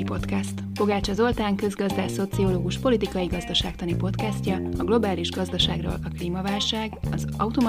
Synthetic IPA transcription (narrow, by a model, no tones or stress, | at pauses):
ipo̞t̪kɛst̪fo̞ɡaːt͡ʃɒzo̞lt̪aːŋkø̞zɡɒzd̪aːso̞t̪sio̞loːɡuʃpo̞lit̪ikɒjiɡɒzd̪ɒʃa̰ːkt̪ɒnipo̞t̪kɛscɒɒɡlo̞baːliʒɡɒzd̪ɒʃa̰ːɡro̰ːlɒkliːmɒvaːlʃaːɡɒzɒut̪o̞m